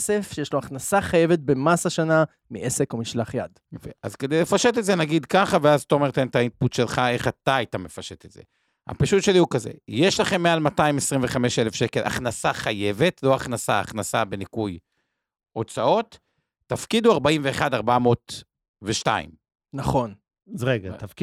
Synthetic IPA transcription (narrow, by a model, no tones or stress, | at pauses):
sefʃejeʃloaχnasaχaje̞vet̪̚be̞masaʃana | miʔeseko̞miʃlaχjadjofeʔa̰zke̞d̪ejle̞faʃe̞t̪̬etzenaɡid̪kaχaveazt̪o̞meʁt̪ent̪ait̪̚putʃe̞lχae̞χat̪aajtame̞faʃetetze̞̰ | ha̰paʃutʃe̞liukazḛjeʃlaχe̞mːealmatajimesʁiɱveχame̞ʃelefʃeke̞lʔa̰χnasaχaje̞ve̞tʰlo̞aχnasaa̰χnasabe̞nikuj | o̞t͡sao̞t̪ː | afkid̪uaʁbaimve̞ːχad̪aʁbamo̞t̪ | veʃta̰ḭm | naχo̞n | azʁeɡat̪afk